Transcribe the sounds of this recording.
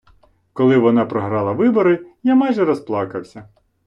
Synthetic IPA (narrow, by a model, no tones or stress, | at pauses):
kɔlˠɪʋɔnɑpɾɔɦɾɑlˠɐʋɪbɔɾɪjamɑjʒɛɾɔsplˠɑkɐwsʲɐ